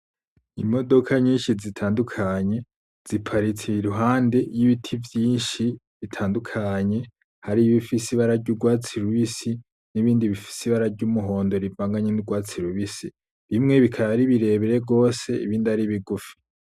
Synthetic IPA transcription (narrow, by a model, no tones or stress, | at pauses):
imo̞do̞kʰaɲiːnʃizitʰaːndukʰaɲe̞ | z̥ipʰaɾit͡sʰiɾuɦaːnde̞jiβitʰivjiːnʃi | βitʰaːndukʰaɲe̞ | haɾiβifisiβaɾaɾɟuɡwaːt͡siɾuβisi | niβiːndiβifi̥siβaɾaɾɟumuɦo̞ːndo̞ɾivaːŋɡaɲenuɡwaːt͡siɾuβisi | ɾimŋe̞βikʰaβaɾiβiɾe̞ːβeɾeɡo̞ːse̞ḭβiːndiaɾiβiɡufi̥